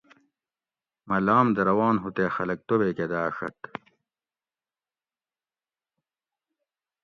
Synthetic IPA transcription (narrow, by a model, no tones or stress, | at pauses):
mɐlaːmd̪ɐɾɐwaːnɦut̪eːxɐlɐk̚t̪obeːked̪aːʂɐ̰k